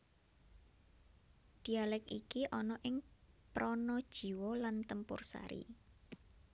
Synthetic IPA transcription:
d̪̥i̤alɛkikiʔɔnɔʔɪŋpɾɔnɔd̥ʒ̥i̤wɔlant̪əmpʊ̰rsa̰ɾḭ

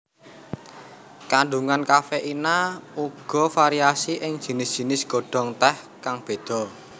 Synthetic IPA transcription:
kaɳɖuŋankafeʔinauɡ̥ɔ̤faɾiasiʔɪŋ̥ʒ̥i̤nɪsdʒ̥i̤nɪsɡ̥ɔ̤ɖ̥ɔ̤ŋt̪ɛhkaŋb̥e̤d̪̥ɔ̤

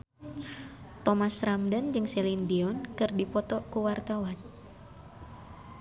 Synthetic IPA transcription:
t̪ɔmasramdand͡ʒɨŋsɛlindiɔnkɨrdipɔt̪ɔkuwart̪awan

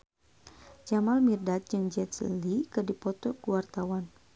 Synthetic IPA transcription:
d͡ʒamalmirdat̪̚d͡ʒɨŋd͡ʒɛt̪slikɨdipɔt̪ɔkuwart̪awan

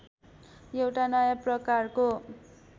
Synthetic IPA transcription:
jewʈanʌjaprʌkarko

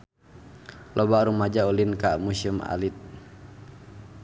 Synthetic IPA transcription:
lʔɔbaɾumad͡ʒaulinkamusuma̰lit̪̚

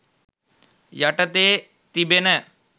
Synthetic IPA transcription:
jaʈət̪eː | t̪ibenə

